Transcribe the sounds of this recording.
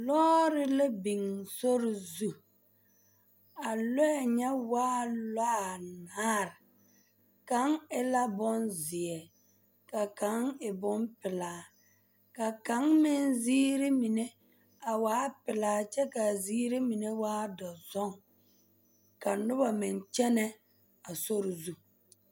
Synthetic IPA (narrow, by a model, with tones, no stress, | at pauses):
lɔː˦ɾɪ˦lɛ˦bi˨ŋso˦ɾɪ˨zu˦ | a˨lɔ˦ɛ˨ɲɛ˦waː˦laː˦˨naː˦ɾ | ka˨˦ŋɪ˦la˦bɔ˦nzɪ˨ɛ˨ | ka˨ka˨˦ŋɪ˨bʊ˦npɪ˨laː˨ | ka˨ka˨˦ŋmɪ˦nziː˦ɾɪ˦mi˨ne˦ | a˨waː˨˦pɪ˨laː˨˦t͡ʃɛ˦ka˨ziː˦ɾe˦mi˨ne˦waː˦dɔ˨zɔ˦ŋ | ka˨nʊ˦ba˨mɪ˨nt͡ʃɛ˦nɛ˦ | a˨so˦ɾzu˦